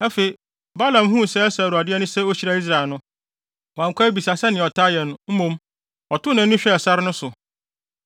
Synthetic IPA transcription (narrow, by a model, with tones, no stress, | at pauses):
æ˦fe˨i˨ | ba˦lã˨mɦũ˦˨sɛ˦ɛ˦sa˨ɾu˨a˨dɪ˦ɛ˦nʊ̃˦sɛ˦o˦ɕi˨ɾa˦i˦s̬ɾa˨e˨nʊ̃˦˨ | ã˨ŋ˨kʷa˦bi˨sa˨sɛ˦nɪ̃˨ɔ˨tʰa˦jɛ˨nʊ̃˦m̩˦mũ˦m | ɔ˨tʊ˦nã˨n̩˦ʊ̃˦ɕᶣɛ˦ɛ˨sa˦ɾɪ˦nʊ̃˦sʊ˨